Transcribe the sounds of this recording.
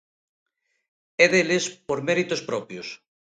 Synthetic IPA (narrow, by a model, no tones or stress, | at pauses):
ɛðelespoɾmeɾit̪ospɾɔpjos